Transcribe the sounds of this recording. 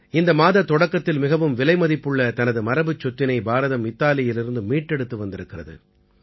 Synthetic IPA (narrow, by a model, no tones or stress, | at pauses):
ɪnd̪ɐmaːðɐt̪ːɔɽɐkːɐt̪ːɪlmɪɣɐʋɯmʋɪlɐɪmɐðɪpːɯɭːɐt̪ɐnɐðɯmɐɾɐbɯt͡ʃːɔt̪ːɪnɐɪbaːɾɐðɐmɪt̪ːaːlɪjɪlɪɾɯnd̪ɯmiːʈːɛɽɯt̪ːɯʋɐnd̪ɪɾɯkːɪrɐðɯ̰